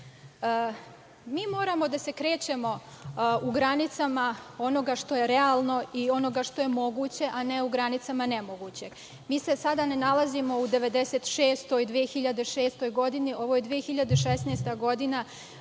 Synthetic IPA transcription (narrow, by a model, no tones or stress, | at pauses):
miːmo̞ːɾamo̞d̪ase̞kɾe̞ːt͡ɕe̞mo̞uɡɾanit̪samao̞no̞ɡaʃt̪o̞je̞ɾealˠno̞io̞no̞ɡaʃt̪o̞je̞mo̞ɡuːt͡ɕe̞ʔane̞uɡɾanit̪samane̞mo̞ɡut͡ɕe̞ɡ̥ | miːse̞sad̪anenalazimo̞ud̪e̞ʋe̞d̪e̞se̞t̪ʃe̞ːst̪oid̪ʋijexiʎad̪eʃe̞ːst̪o̞jɡo̞d̪iniʔo̞ʋo̞jed̪ʋijexiʎad̪eʃesnest̪aɡo̞d̪ina